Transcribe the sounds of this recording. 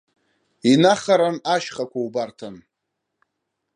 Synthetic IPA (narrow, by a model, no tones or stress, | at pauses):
inaχaɾanaʃχakʷʰaubartʰan